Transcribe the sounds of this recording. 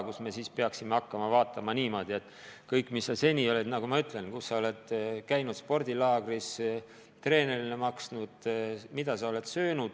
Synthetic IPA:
kusme̞siːspeɑksimeɑkːɑmɑvɑːt̪ːˑɑmɑniːmo̞d̪ie̞t̪ːˑkɤjkːˑmisːɑse̞nʲio̞led̪nɑɡumɑyt̪ˑle̞nkusːɑo̞le̞d̪kæjnud̪spo̞rd̪ilɑːɡ̥ris | t̪re̞ːne̞rinemɑksnud̪̥mid̪̥ɑsɑo̞le̞t̪sø̞ːnud̪̥

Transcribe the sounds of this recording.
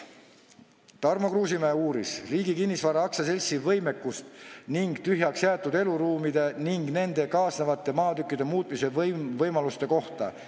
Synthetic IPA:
t̪ɑrmokruːsimeːuːɾisriːɡ̥ikinʲːisvɑɾɑɑksɑse̞lʲsivɤ̞jme̞kːˑust̪niŋɡ̥t̪yɦjɑksjeɑt̪ːˑud̪e̞luɾuːmid̪̥e̞niŋɡ̥ne̞nd̪̥e̞kɑːsnevɑt̪ːˑe̞mɑːd̪ykːid̪̥e̞muːt̪ˑmise̞vvɤjmɑlust̪e̞ko̞ht̪ɑ̰

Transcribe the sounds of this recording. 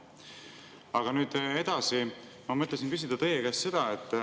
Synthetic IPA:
ɑɡ̥ɑnyːd̪̥e̞d̪̥ɑsi | mɑmɤt̪lesinpys̬ʲid̪̥ɑt̪ɤ̞jekæst̪se̞d̪̥ɑet̪ːˑ

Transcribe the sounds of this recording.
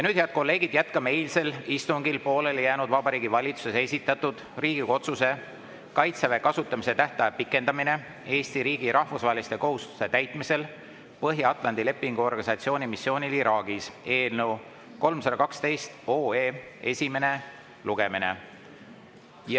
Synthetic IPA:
jɑnyːd̪̥heɑd̪̚ko̞lːe̞ːɡ̥id̪jæt̪̚kɑmejlse̞list̪uŋɡilpo̞ːle̞ljæːnud̪̥vɑbɑɾiːɡivɑlʲit̪su̥se̞se̞sʲit̪ːˑɑt̪ːud̪̥riːɡ̥io̞t̪suse̞ | kɑjt̪seve̞kɑsut̪ːˑɑmise̞t̪æht̪ɑpikːˑe̞nd̪ɑmine̞ | e̞ːst̪iɾiːɡ̥iɾʔɑhvusvɑɦelist̪e̞ko̞hust̪u̥se̞t̪æjt̪ˑmise̞l | pɤɦjɑɑt̪ˑlɑnd̪̥ile̞pːiŋɡ̥uo̞rɡ̥ɑnʲisɑt̪sio̞ːnimisːio̞ːniliɾʔɑːɡ̥ise̞ːlnew | ko̞lmsɑd̪ɑkɑkst̪e̞jst̪o̞ːe̞ːe̞sʲime̞ne̞ | luɡ̥e̞mine̞̰ | j

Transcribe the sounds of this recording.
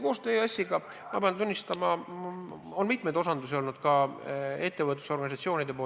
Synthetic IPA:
ko̞ːst̪ejɑsʲːiɡɑ | mɑpeɑnt̪unʲːist̪ɑmɑ | o̞nmit̪mejd̪̥o̞sɑnd̪usio̞lnud̪̥kɑe̞t̪ːe̞vɤt̪ːˑu̥so̞rɡɑnis̬ɑt̪sio̞ːnid̪e̞po

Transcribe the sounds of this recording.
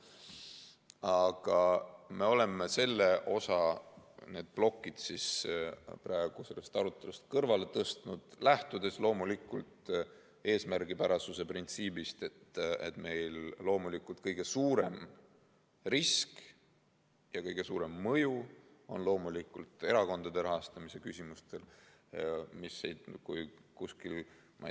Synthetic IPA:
ɑɡ̥ɑme̞o̞le̞mːese̞lːe̞ʔo̞sɑne̞ːd̪̥̚plo̞kːˑid̪̥sis | præeɡ̥use̞lːest̪ɑɾut̪ːˑe̞lust̪kɤrvɑle̞t̪ɤst̪nud̪̥læht̪ud̪e̞slo̞ːmulikːult̪ | e̞ːsmærɡ̥ipæɾɑsuse̞print̪siːbist̪e̞t̪e̞̰t̪me̞jllo̞ːmulikult̪̚kɤjɡ̥e̞suːɾe̞m | risk | jɑkɤjɡ̥e̞suːɾe̞mːɤju | o̞̰nlo̞ːmulikˑult̪ˑe̞ɾɑko̞nd̪̥ɑd̪̥e̞ɾɑɦɑst̪ɑmise̞kysʲimust̪e̞l | misːej̪kujkuskil | mʔɑ̰

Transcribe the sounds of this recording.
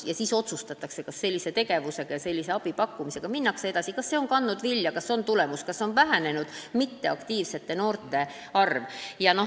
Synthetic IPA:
jɑsiso̞t̪sust̪ɑt̪ːˑɑkse̞kɑsːe̞lʲːise̞t̪e̞ɡe̞vuse̞ɡ̥ɑjɑse̞lʲːise̞ɑb̥ipɑkːumise̞ɡ̥ɑminːɑksee̞d̪ɑsikɑsːe̞onkɑnːud̪vilʲːjɑkɑsːeo̞nt̪ule̞muskɑsːeo̞nvæɦæne̞nud̪̥mit̪ːe̞ɑkt̪iːvse̞t̪ːe̞no̞ːrt̪ˑe̞ | ɑrvjɑno

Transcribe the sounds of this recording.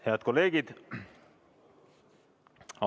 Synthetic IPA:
he̞ɑd̪̥̚ko̞lːe̞ːɡ̥id̪̥ | ɑ

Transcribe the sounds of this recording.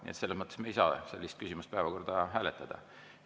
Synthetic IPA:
nḭet̪se̞lːesmɤt̪ːˑesmejsɑ̰ːse̞lːist̪̚kysimust̪̚pæevɑko̞rd̪̥ɑɦæːlet̪ːˑɑd̪̥ɑ̰

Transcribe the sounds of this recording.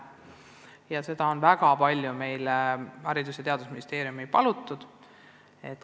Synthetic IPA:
jɑse̞d̪̥ɑo̞nvæɡ̥ɑpɑlʲjume̞jlæɾid̪uset̪e̞ɑd̪̥usminist̪e̞ːɾijumipɑlut̪ːˑud̪̥ | e̞t̪ː

